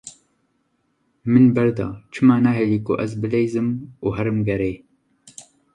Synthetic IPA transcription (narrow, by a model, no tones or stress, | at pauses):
mɨnbɛɾd̪ɑ̰ːt͡ʃʰɨmaːnaːɦeliːkoʔɛzbɨlejzɨmuːɦɛɾɨmɡɛɾeː